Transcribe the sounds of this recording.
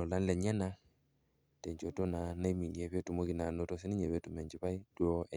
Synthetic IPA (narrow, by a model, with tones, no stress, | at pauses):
ɔ˨la˦n˦lɛ˨ɲɛ˦na˦ | tɛ˨ɲd͡ʒo˨to˦na˨na˦i˦mi˨ɲɛ˨βe˦tu˨mo˦ki˨na˨no˦to˦si˦ni˦ɲɛ˨βɛ˦tu˨mɛ˨ɲd͡ʒi˨˦βa˦i˦dwo˦ɛ˨